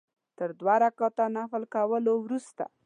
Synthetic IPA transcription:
t̪əɾd̪waɾakɑt̪anafəlkawəlowɾust̪a̰

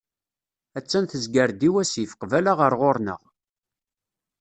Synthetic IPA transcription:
æt͡sːænθəzɡəɾd̪iwæsifə̥qvælaʁəɾʁoɾnə̰ʁ

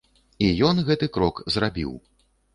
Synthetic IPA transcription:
ijɔnɣɛt̪ɨkɾɔkzrabʲḭw

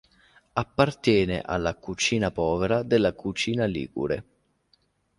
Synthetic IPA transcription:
apːart̪jɛːnḛʔa̰lːakut͡ʃiːnapɔːveɾad̪elːakut͡ʃiːnalḭːɡṵɾḛ

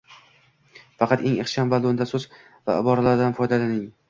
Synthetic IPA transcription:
fɑqʰɑt̪e̞ŋeχʃambalˠond̪asɵz | va̰ɪ̰bɒɾalaɾd̪anfɒjd̪alanɪŋ

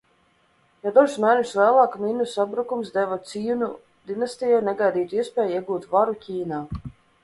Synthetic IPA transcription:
jad̪ɔʒsmɛːnʲuslæːlˠaːkmʲinusabɾukumsd̪ɛvɔt̪sijunu | d̪inast̪ijɔjnɛɡajd̪iːt̪uiɛspʲɛːjiɛɡuːt̪vaɾucʲiːnaː

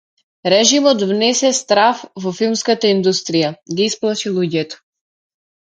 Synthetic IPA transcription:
ɾɛʒimɔt̪vnɛsɛst̪ɾafvɔfilˠmskat̪aind̪ust̪ɾijaɡiisplˠaʃilˠuɟɛt̪ɔ̥

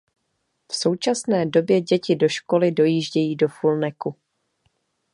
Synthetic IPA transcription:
fso̞wt͡ʃasnɛːdo̞bjɛɟɛcɪdo̞ʃko̞lɪdo̞jiːʒɟɛjiːdo̞fulnɛku

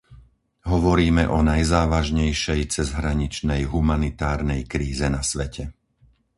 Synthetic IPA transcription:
ɦɔʋɔɾiːmɛʔɔnajzaːʋaʒɲɛjʃɛjt͡sɛzɦɾaɲit͡ʃnɛjɦumanit̪aːɾnɛjkɾiːzɛnasʋɛcʰɛ

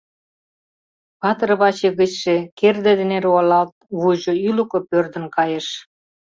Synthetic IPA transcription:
pɑt̪rβɑt͡ɕeɣə̆t͡ɕʃekerd̪ĕd̪eneɾɑlɑlt̪̚βuʒŏylukŏpørd̪ə̆nkɑjeʃ

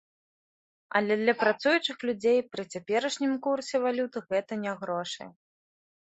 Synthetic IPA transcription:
ɐ̰lʲɛd̪lʲɐpɾat̪sujut͡ʂɨxlʲud͡zʲejpɾɨt͡sʲapʲɛɾɐʂnʲimkursʲɛvalʲut̪ɨɣɛt̪ɐnʲɛɣɾɔʂɐ̰j

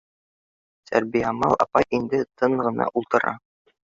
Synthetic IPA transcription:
t̪ʰæ̰ɾbijæmɑlˠɑ̰pɑjʔind̪ɘt̪ʰɤɴʁɤ̆nɑ̰ʔulˠt̪ɤ̆ɾɑ̰

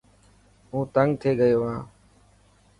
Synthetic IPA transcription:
ɦũːt̪əŋɡt̪ʰeːɡəjoːɦãː

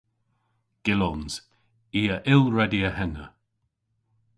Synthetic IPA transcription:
ɡ̥ɪlɔnz̥ | iːəʔɪlɹɛdiəhɛnə

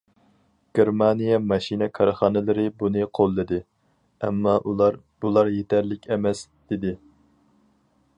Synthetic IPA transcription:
ɡ̥ʲeɾmɑnijɛmɑʃinɨkʰɑɾɨχɑnɪlˠɪɾɪbunɨqʰolˠːɨd̪ɪ | ɛ̰mːɑʔulˠɑɾ | bulˠɑɾjet̪ʰɛɾlɪkʲʰɛmɛsd̪̥ɪd̪ɪ

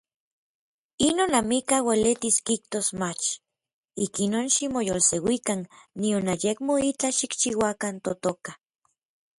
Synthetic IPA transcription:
inonamikawelet̪iskiht̪osmat͡ʃ | ikinonʃimojolsewikanːionajekmoit͡ɬaʃikt͡ʃiwakant̪ot̪oka

